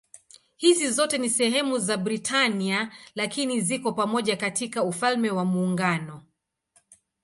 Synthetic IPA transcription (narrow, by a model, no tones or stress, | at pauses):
hizizɔtɛnisɛɦɛmuzabɾitʰanialakinizikɔpamɔʄakatikaufalmɛwamuːŋɡanɔ